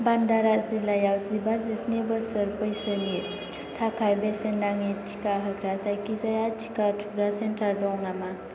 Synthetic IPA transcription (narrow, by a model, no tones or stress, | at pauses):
bandaɾazilajawzibazesnebasəɾpəjsəni | tʰakʰajbesendaŋitʰi̥kaɦəɡɾasajkizajatʰi̥katʰuɾasentaɾdɔŋnama